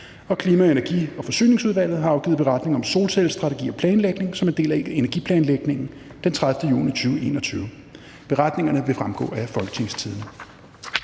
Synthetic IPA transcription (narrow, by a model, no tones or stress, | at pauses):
ɒ̽kʰliːmæenæɐɡ̥ḭːɒ̽fɒ̽sy̰ːne̝ŋsuðˠʋæl̰ð̞̩ˠɦɑ̈ɑ̈ʊɡ̥ḭːð̩ˠb̥eʁɑ̈d̥ne̝ŋɒ̽mso̝̰ːlsel̰sd̥ʁɑ̈t͡sʰe̝ɡ̥ḭːɒ̽pʰlɛːnleɡ̥ne̝ŋsɒ̽mend̥e̝̰ːlæe̝næɐɡipʰlɛːnleɡ̥ne̝ŋn̩ | d̥ent͡sʰʁäð̞ˠfd̥əjṵːnit͡sʰyːʊe̝ːnɒ̽t͡sʰyːʊ | b̥e̝ʁɑd̥ne̝ŋɐnəʋe̝fʁamɡ̥ɔ̰ːæfɒ̽lɡ̥ə̥t͡sʰe̝ŋst͡sʰiðˠnə